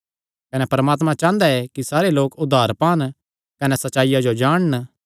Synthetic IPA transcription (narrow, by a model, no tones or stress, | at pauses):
kɐnɛpɐɾəmaːt̪mãt͡ʃãːnd̪aɛkisaːɾeloːkʊd̪ʱːaːɾpaːn | kɐnɛsɐtːʃaːɪjad͡ʒod͡ʒaːɽ̃n